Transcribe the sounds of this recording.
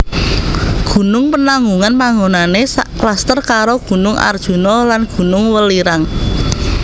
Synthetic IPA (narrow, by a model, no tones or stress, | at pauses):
ɡ̥ṳnʊŋpənaŋɡuŋanpaŋɡonanesaʔklast̪ərkaɾoɡ̥ṳnʊŋʔa̰rd̥ʒ̥ṳnɔlanɡ̥ṳnʊŋwəliɾaŋ